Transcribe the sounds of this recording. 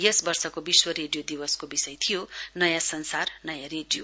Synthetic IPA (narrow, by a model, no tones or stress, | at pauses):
jʌsbʌrsʌkobiswʌɾeɖijod̪ibʌskobisʌjt̪ʰijonʌjasʌnsarnʌjaɾeɖijo